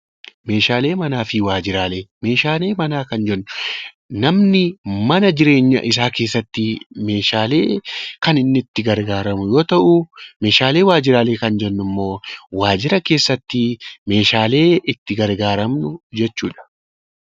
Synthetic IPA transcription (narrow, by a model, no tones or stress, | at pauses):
me̞ːʃaːle̞ːmɐnaːfɪwaːd͡ʒɪɾaːle̞ːme̞ːʃaːle̞ːmɐnaːkɐnd͡ʒɛnːʊ | nɐmnɪmɐnɐd͡ʒɪɾe̞ːɲːɐ̰ʔɪs̬aːke̞ːsːɐt̪ːɪme̞ːʃaːle̞ːkɐnɪnːɪɪt̪ːɪɡɐɾɡaːɾɐmʊjo̞ːt̪ɐʔʊme̞ːʃaːle̞ːwaːd͡ʒɪɾaːleːkɐnd͡ʒɛnːʊmːo̞ːwaːd͡ʒɪɾɐke̞ːsːɐt̪ːɪme̞ːʃaːle̞ːɪt̪ːɪɡɐɾɡaːɾɐmnʊd͡ʒɛt͡ʃːuːᶑɐ̥